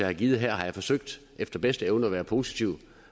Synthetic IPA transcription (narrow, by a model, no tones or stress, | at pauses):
ehæɡ̥iːð̩ˠɦæɐ̰ɦɑ̈jɑfɒ̽søɡ̥̚d̥ | ʔefd̥ɐb̥esd̥əeʊnəɒʋæːɐpʰo̝si̥t͡sʰiʊ̰